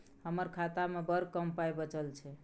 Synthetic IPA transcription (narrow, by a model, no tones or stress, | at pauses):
həməɾkʰat̪amebəɾkəmpajbət͡ʃəlt͡ʃʰɛ